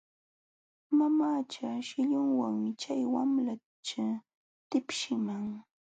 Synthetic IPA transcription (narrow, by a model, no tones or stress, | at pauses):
mamaːt͡ʃaʃɪʎʊŋwaŋmɪt͡ʃajwamla | t͡ʃa | t̪ɪpʃɪmaŋ